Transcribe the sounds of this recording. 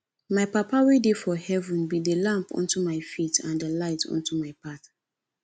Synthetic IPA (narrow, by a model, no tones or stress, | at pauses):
maɪpapawedefɔhɛvũnbidəlãmpɔ̰̃ntumaɪfitãndəlaɪtʰɔ̰̃ntumaɪpat